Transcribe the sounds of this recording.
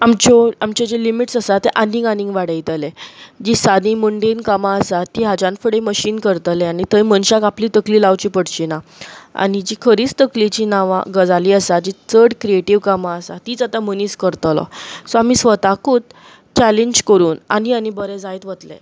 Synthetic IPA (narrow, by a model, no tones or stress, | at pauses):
amt͡ɕɔamt͡ɕɔd͡ʑelimiʈsəsat̪ːeʔanĩŋɡanĩŋɡʋaɽəjt̪əled͡ʑisad̪ĩmuɳɖenkamaəsat̪ːiɦad͡ʑãnfəɽeməɕiːnkəɾt̪əleanit̪əjmənɕakapliːt̪əkliːlawt͡ɕipəɽt͡ɕinaa̰nid͡ʑikʰəɾiːt͡st̪əklit͡ɕinaʋa̰ɡəd͡zaliːəsad͡ʑit͡səɽkɾieʈiʋkamaəsa̰t̪iːt͡sat̪aməniːskəɾt̪lɔ̰sɔam̤isʋət̪akuːt̪̚ | t͡ɕɛleɲd͡ʑkəɾuːna̰nianibəɾɛd͡zajt̪ʋət̪lḛ